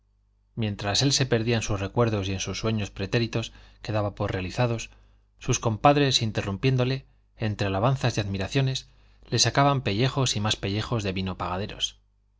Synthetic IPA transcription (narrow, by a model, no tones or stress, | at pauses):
mje̞nt̪ɾase̞lse̞pe̞ɾðiaensusre̞kwe̞ɾðo̞sie̞nsusːwe̞ɲo̞spɾe̞t̪e̞ɾit̪o̞ske̞ðaβapoɾre̞aliθaðo̞sː | usko̞mpaðɾe̞sint̪e̞rumpje̞nd̪o̞le̞ː | nt̪ɾealaβ̞an̟θazðeaðmiɾaθjo̞ne̞s | le̞sakaβampe̞ʎe̞xo̞simaspe̞ʎe̞xo̞zðe̞βino̞paɣaðe̞ɾo̞̰s